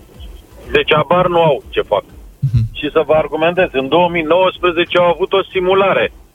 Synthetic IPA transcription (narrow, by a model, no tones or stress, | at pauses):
d̪e̞t͡ʃʲabarnuawut͡ʃe̞fa̰kʃisəvəarɡume̞nt̪̬e̞zʲɨnd̪o̞wəmino̞wəspɾeze̞t͡ʃeawavut̪o̞simulaɾe̞